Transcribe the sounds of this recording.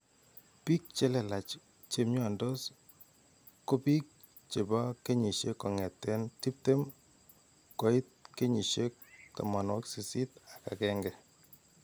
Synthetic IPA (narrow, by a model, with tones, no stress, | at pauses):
pi˦k̚t͡ʃe˦lɛ˨la˨t͡ʃ | t͡ʃe˨mɲɔ˨ndo˦s | ko˦pi˦k̚ | t͡ʃe˨ba˦ke˦ɲi˨ʃe˦kːɔ˨ŋɛ˨tːɛ˦nti˦p̚te˦m | kɔ˨ɪ˦t̚ke˦ɲi˨ʃe˦k̚ta̰˨ma˨nwɔ˦ksi˨si˦ta˨ka˨kɛ˦ŋɡɛ˨